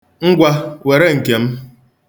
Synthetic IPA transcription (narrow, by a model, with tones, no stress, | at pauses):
ŋ̩˦ɡʷa˦we˨ɾe˦ŋ̩˨ke˨m̩˦